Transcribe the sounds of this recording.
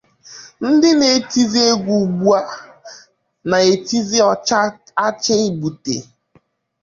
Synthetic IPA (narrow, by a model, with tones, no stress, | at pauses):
n̩˦dɪ˦ne˨ti˦zi˦e˦ɡʷu˨ɡ͡bu˦a˦ | na˨e˨ti˦zi˦ɔ˨t͡ʃa˦ | a˦t͡ʃe˦i˦bu˨tḛ˨